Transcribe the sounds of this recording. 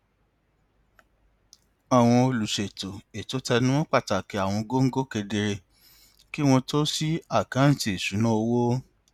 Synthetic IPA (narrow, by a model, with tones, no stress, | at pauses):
a˦˨w̃ɔ̃˧o˧lu˨ʃe˨to˨e˨to˨˦tɛ˧nũ˦w̃ɔ̃˦k͡pa˦˨ta˨ke˨˧˦a˨w̃ɔ̃˧ɡo˦ŋ̩˦ɡo˦ke˧de˧ɾe˧ | ki˦w̃ɔ̃˧to˦si˦a˦˨kã˨˦n̩˨ti˧˦e˨su˨˦nã˦o˧wo˦